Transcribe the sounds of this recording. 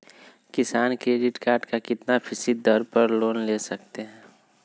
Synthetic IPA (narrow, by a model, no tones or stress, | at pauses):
kɪsaːnkɾeːɖɪʈkaːɾʈkakɪt̪napʰɪsɪd̪d̪əɾpɐɾloːnleːsɐk̚t̪eɦɛ̃ː